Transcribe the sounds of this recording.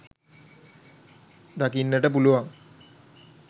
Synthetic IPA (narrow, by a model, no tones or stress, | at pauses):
d̪akinːəʈəpuluʋaŋ